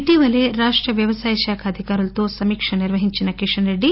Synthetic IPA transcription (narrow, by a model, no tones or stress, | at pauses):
ʈiʋɐleɾaːʂʈɾɐʋjɐʋɐsaːjɐʃaːkʰɐːd̪ʱikaːɾult̪oːsɐmiːkʂɐniɾʋɐɦiɲt͡ʃinɐkiʂɐneɖi